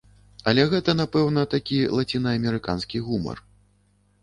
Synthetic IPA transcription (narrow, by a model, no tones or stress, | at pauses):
ɐlʲɛɣɛt̪ɐnapɛwn̪ɐt̪akʲilˠat͡sʲinɐɐmʲɛɾɨkanskʲiɣumɐ̰r